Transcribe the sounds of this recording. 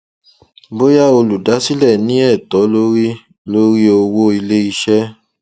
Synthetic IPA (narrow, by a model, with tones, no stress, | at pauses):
bo˦ja˦˨o˧lu˨da˨˦si˦lɛ˦˨nĩ˨˦ɛ˦˨tɔ˨˦lo˦ɾi˦ | lo˦ɾi˦o˧wo˦i˧le˦i˧ʃɛ˦